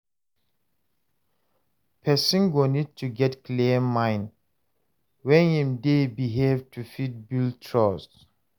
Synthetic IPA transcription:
pʰɛsĩnɡonid̚tʰuɡɛtkliəmãjn | wɛ̃nĩmdebiɦevtʰufit̚biltʰɹɔs

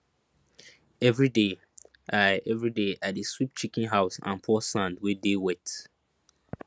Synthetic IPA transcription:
ɛvɹide | ʔaɛvɹideʔadeswip̚t͡ʃikĩnɦaʊsã̰npʰɔsãndwɛdewɛt

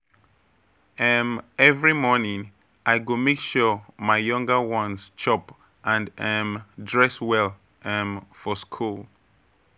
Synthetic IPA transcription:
ɛmɛvɹimɔnĩŋ | ʔajɡomekʃumajjʌ̃ŋɡəwɔ̃nst͡ʃɔp | ʔãndɛmdɹɛswɛlˠ | ɛmfɔskʰulˠ

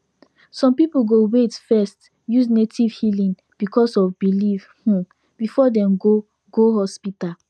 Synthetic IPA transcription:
sɔ̃mpipuɡowetfɛst | jusnetʰiv̥hilĩn | b̥ikɔsɔvbilifhũ | b̥ifɔdɛ̃mɡo | ɡoɦɔspital

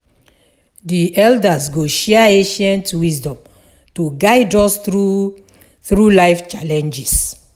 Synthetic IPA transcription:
diʔɛldasɡoʃɛaeʃɛ̃ntwisdɔ̃m | tuɡaɪdɔsu | θɹulaɪft͡ʃalɛ̃nd͡ʒis

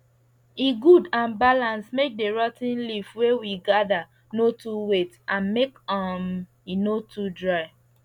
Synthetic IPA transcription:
iɡudãnbalãnsmek̚deɹɔtĩnlifwewiɡada | notuwetãnmekɔm | inotʰudɹaɪ

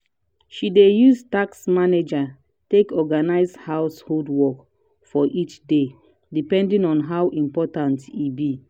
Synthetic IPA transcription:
ʃidejuztaksmaned͡ʒa | tekɔɡanaɪzhawsholdwɔk | fɔʔit͡ʃde | dipɛ̃ndĩnɔ̃nɦawʔĩmpɔtãntibi

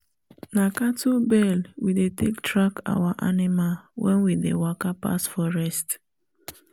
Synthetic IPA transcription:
nakatubɛlwidetektʰɹaka̰waʔanimalwʔɛ̰̃nwidḛwakapa̰sfɔɹɛst

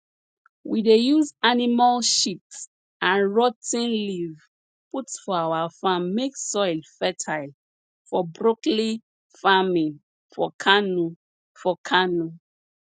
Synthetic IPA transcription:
widejuzanimalʃips | ãnɹɔtĩnliv | putfɔawafãmːeksɔjlfɛtʰaɪl | fɔbɹokli | famĩn | fɔkʰanu | fɔkʰanu

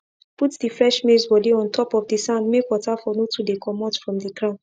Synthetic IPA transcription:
putdifɹɛʃmesbɔdiɔ̃ntʰɔpɔvdisãndmekwɔtafɔnotʰudekʰɔmɔtfɹɔ̃mdiɡɹãʊ̃n

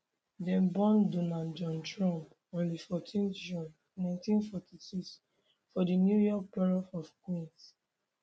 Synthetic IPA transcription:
dɛ̃nbɔ̃ndunãnd͡ʒɔ̃ntɹɔ̃mp | õnlifɔtʰĩnd͡ʒũn | nãɪ̃ntĩnfɔtisiks | fɔdinjujɔk̚pɔɹɔfɔfkwĩns

